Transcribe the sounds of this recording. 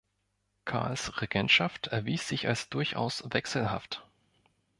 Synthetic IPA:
kʰa̰ːɐlsʁeɡɛntʃaftʰɛɐviːsz̥ɪçalsd̥ʊɐçʔa̰ʊsvɛksl̩ɦa̰ft

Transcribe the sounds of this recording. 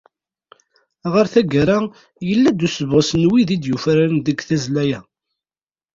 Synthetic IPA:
ʁəɾθæɡaɾa | jəlːæd̪usəvʁəsnwiðid̪jufɾaɾnðəɡθæzlæjæ

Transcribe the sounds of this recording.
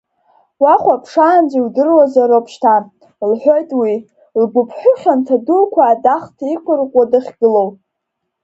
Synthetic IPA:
waχʷapʰʂaːnziwdɨrwazaɾopʰʃtʰa | lħʷojtʼwi | lɡʷʊpʰħʷᶣʊχʲantʰadulkʷʰaːdaχtʰikʷʰʊrqʷʼadaχʲɡɨlow

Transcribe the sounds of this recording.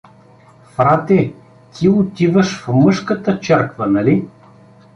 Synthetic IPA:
fɾat̪ɛ | t̪ʰiʊt̪ivəʃfmɤʃkət̪ət͡ʃɛɾkvənɐli

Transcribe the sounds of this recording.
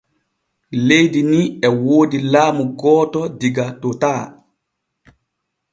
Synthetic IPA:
lejdiniɛwoːdilaːmuɡɔːtɔdiɡatotaː

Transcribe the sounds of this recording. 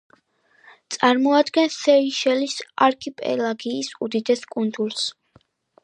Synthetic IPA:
t̪sʼaɾmɔad̪ɡɛnsɛiʃɛlisaɾkʰipʼɛ̰laɡiːsud̪id̪ɛskʼund̪uɾs

